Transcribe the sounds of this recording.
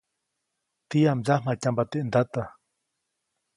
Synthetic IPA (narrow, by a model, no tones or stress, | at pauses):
t̪ijamzahm̥acambat̪eʔnd̪at̪a